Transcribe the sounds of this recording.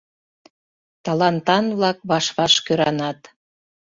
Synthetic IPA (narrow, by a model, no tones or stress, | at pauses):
t̪ɑlɑnt̪ɑnβlɑk̚βɑʃβɑʃkøɾɑnɑt̪